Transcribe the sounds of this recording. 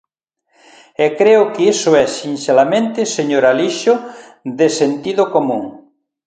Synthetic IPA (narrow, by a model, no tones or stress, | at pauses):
ɛkɾeʊkeisʊɛsinʃelamẽnt̪ɪseɲoɾaliʃʊ | ðesent̪iðokomũŋ